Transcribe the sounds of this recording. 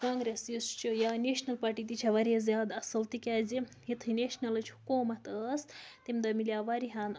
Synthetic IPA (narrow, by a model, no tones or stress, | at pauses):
kãːŋɡɾesist͡ʃʰujaneʃnɐlpaːʈiːt̪it͡ʃʰɐʋaːɾʲiɐzjaːd̪ɐsɨlt̪ikʲaːzi | ɦit̪ʰineʃnɐlɨt͡ʃʰhukoːmɐt̪əːst̪imd̪ɐmilijaʋaːɾiɦan